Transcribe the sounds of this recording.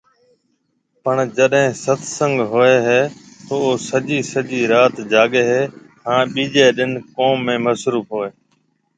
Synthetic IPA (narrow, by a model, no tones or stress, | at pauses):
pəɳd͡ʒəɗɦẽːsət̪ʰsə̃ŋɡɦoeːɦeː | t̪oːoːsəʄiːsəʄiːɾaːt̪d͡ʒaːɠeːɦeː | hãːɓiːd͡ʒeːɗɪnkoːmːẽːməsɾuːfɦoːeː